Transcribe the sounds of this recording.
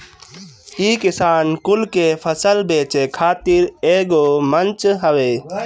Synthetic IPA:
iːkɪsaːnkʊlkepʰəsəlbeːt͡ʃekʰaːt̪ɪɾeːɡoːmənt͡ʃɦəʋeː

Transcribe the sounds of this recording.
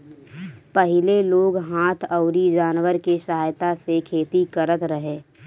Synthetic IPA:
pəɦɪleloːɡɦaːt̪ʰəʊɾid͡ʒaːnwəɾkesəɦaːjt̪asekʰeːt̪ikəɾət̪ɾəɦeː

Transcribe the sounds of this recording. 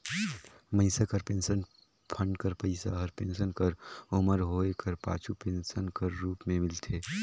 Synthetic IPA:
məɪsakəɾpeːnsən | pʰə̃ɳɖkəɾpəɪsa̰ɦəɾpeːnsənkəɾʊməɾɦoːekəɾpa̰ːt͡ʃʰupensənkəɾːuːpmẽmɪlt̪ʰeː

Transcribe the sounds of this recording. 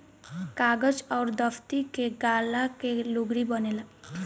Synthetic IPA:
kaɡəd͡ʒɔːɾd̪ɔpʰt̪ikeɡalakeloɡɽibɔnela

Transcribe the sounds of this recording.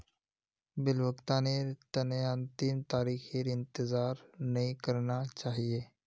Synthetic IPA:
bɪlwəkt̪ãːnet̪ɐneãnt̪imt̪aːɾiːxeɾɪ̃nt̪ɪzaːɾnɐĩkɐɾnat͡ʃaːɦieː

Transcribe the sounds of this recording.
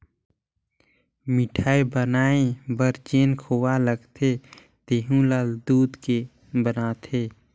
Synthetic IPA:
mɪʈʰaːebənaːẽbəɾt͡ʃeːnkʰoːwaləɡt̪ʰe | t̪eːɦũlald̪uːd̪ke | bənaːt̪ʰeː

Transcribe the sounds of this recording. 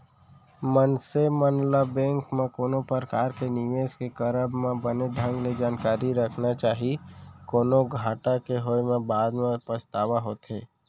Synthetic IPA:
mənsemənləbẽːŋkmẽkoːnopəɾkaːɾkenɪʋeːskekəɾəbmẽbəneɖ̪ʱə̃ŋɡled͡ʒaːnkaːɾiɾəkʰnat͡ʃaːɦikoːnoɡʱaːʈakeɦoːemẽbaːd̪mẽpəst̪aːʋaɦoːt̪ɦeː

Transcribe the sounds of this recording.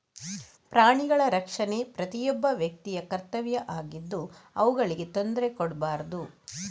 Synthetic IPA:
pɾaːɳiɡɐɭɐɾɐkʂɐne̞pɾɐt̪ijɔbːɐʋjɐk̚t̪ijɐkɐɾt̪ɐʋjɐʔaːɡid̪ːuɐʋuɡɐɭiɡe̞t̪o̞nd̪ɾekɔɽbaːɾɐd̪u

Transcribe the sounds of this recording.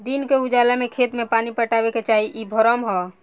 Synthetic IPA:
d̪inkeud͡ʒalamekʰet̪mepanipəʈaβeket͡ʃaɦiʔibʱɔɾəmɦɔ

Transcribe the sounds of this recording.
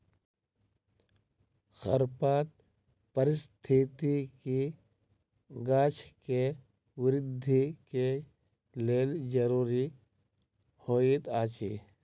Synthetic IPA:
xə̰ɾpaːt̪̚ | pəɾɪst̪ʰit̪iki | ɡaːt͡ʃʰke | wɪɾɪd̪ʱːike | leːld͡ʒɐɾuːɾi | hoːit̪aːt͡ʃiː

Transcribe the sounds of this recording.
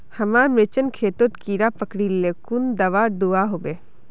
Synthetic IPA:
hɐmamet͡ʃənkʰeːt̪ot̪kiːɾapəkɽilːekund̪ɐʋaːd̪uaɦobeː

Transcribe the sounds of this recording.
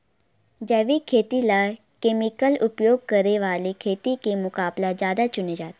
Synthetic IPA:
d͡ʒɛːʋiːkʰeːt̪ilaː | keːmɪkəlʊpjoːɡ̚kəɾeʋaːlekʰeːt̪ikemʊkaːblazjaːd̪at͡ʃʊned͡ʒaːt̪e

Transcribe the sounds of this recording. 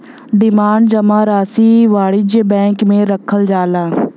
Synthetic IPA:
ɖɪmaːɳɖd͡ʒəmaːɾaːsiːʋaːɽɪd͡ʒbɛ̃ːŋkmẽːɾəkʰːəld͡ʒaːlaː

